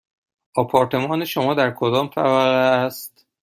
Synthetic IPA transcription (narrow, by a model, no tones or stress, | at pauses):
ʔɒːpʰɒːɾt̪ʰe̞mɒːneʃomɒːd̪æɾkʰod̪ɒːmfʰæ̰væɣæst̪